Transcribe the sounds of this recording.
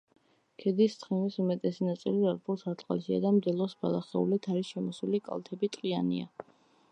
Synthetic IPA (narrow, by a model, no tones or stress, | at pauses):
kʰɛd̪issʰχɛnisumɛt̪ʼɛsinat̪sʼiliaɾpʰulˠsaɾt̪ʼqʼa̰lsia̰d̪amd̪ɛlˠɔsbalˠaχɛṵlit̪ʰaɾisʃɛmɔsulikʼa̰lˠt̪ʰɛbit̪ʼqʼianḭa̰